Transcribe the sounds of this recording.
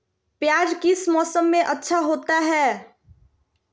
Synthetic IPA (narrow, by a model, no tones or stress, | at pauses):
pjaːd͡ʒkɪsmɔːsəmːẽʔətːʃʰaɦoːt̪aɦɛː